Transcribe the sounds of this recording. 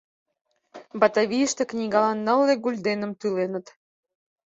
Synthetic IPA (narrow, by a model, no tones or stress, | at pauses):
bɑt̪ɑβʲijəʃt̪eknʲiɣɑlɑnːəlːeɡulʲd̪enə̆mt̪ylenət̪